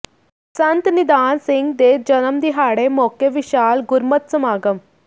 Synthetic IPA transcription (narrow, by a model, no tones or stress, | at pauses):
sɐnt̪nɪd̪aːnsɪŋɡd̪eːd͡ʒɐnəmd̪iɦaːɽemoːkeʋɪʃaːlɡʊɾmət̪səmaːɡəm